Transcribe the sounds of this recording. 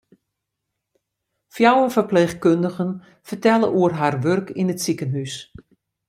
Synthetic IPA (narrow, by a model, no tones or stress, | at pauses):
fjawəfərpleːxkøndəɣən | fərtɛlˠəʔuərɦarʋørkʰinətsikənɦys